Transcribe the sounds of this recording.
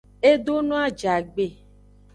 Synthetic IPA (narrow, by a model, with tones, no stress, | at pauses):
e˦ɖo˦nɔ̃˦a˦d͡ʒa˨ɡ͡be˨